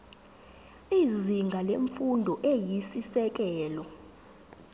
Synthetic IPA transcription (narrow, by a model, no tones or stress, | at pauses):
iziŋɡʱaleɱfundʱɔʔejisisɛk̬ɛːlɔ